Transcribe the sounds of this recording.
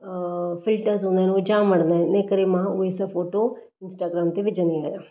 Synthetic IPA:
fʰɪlʈəɾzɦõːnd̪aɦɛnod͡ʒãːmɐɽ̃ə̃nd̪aːɦɛnekəɾemãʊesafʰoːʈo | ɪ̃nsʈaːɡɾaːmt̪eʋɪd͡ʒənd̪iaːjaː

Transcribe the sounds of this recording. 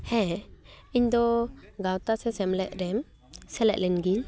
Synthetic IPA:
hɛ̃ | iɲd̪ɔɡawt̪asɛsɛmlɛʔ̚ɾɛm | sɛlɛ̰ʔ̚lɛnɡil

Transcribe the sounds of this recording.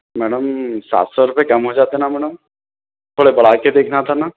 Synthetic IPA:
mɛːɽəmsa̰ːt̪sɔɾʊpekɐmɦod͡ʒaːt̪enamɛːɽəm | t̪ʰoɽebɐɽaked̪eːkʰnat̪ʰana

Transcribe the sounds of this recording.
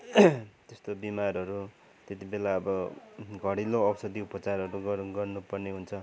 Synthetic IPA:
t̪est̪obimarɦʌɾu | t̪et̪ibelaʌbʌɡʱʌɽiloʌbʌsʌd̪iupʌt͡sarɦʌɾuɡʌrɡʌrnupʌrneɦunt͡sʰʌ

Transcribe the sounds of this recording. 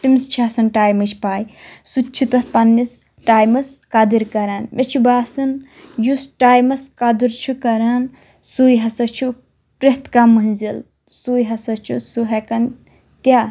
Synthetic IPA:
t̪imst͡ʃʰaːsɐnʈaːjmɐt͡ʃʰpaːjsut͡ʃʰut̪ɐtpɐnːis | ʈaːjmɐskɐd̪iɾkɐɾaːnʋet͡ʃʰibaːsɨn | jusʈaːjmɐskɐd̪iɾt͡ʃʰukɐɾaːn | suːjɦɐsɐt͡ʃʰu | pɾeht̪kamɐnzil | suːjɦɐsɐt͡ʃʰusuɦɐkɐn | kʲaː

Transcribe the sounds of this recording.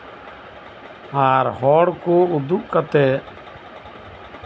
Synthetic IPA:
aːɾɦɔːɽkoːʊd̪ukːət̪eː

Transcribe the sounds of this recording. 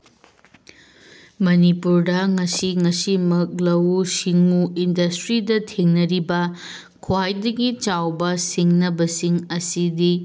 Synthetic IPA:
mɐnipuɾdɐŋɐsiŋɐsimɐk̚lɐwsiŋuindɐstɾidɐtʰeŋnɐɾibɐ | kʰwajdɐɡit͡ʃawbɐsiŋnɐbɐsiŋɐsidi

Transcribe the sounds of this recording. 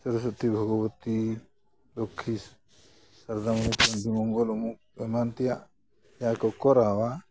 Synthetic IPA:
səɾus̬ɔt̪ibʱɔɡɔwt̪i | lokʰːis | saɾd̪amɔmukbɔnd̪ʱimɔŋɡɔlumuk̚ | ɛmant̪ɛjaʔ | jakɔkɔɾawa

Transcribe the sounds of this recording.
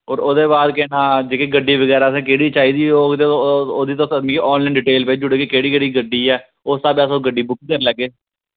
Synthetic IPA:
oːɾoːd̪eːbaːd̪keːnãːd͡ʒeːkeːɡəɖːiːbəɡɛːɾaːəsẽːkeːɽiːt͡ʃaːiːd̪iːoːɡt̪eooːd̪iːt̪õsmiːkeːʔɔːnlaːɳɖɪʈeːlpeːd͡ʒʊɽeːkeːkeːɽiːɡəɽiːɡəɖiːɛː | ost̪aːbɛːsoːɡəɖːiːbʊkʰːkəɾlɛːɡeː

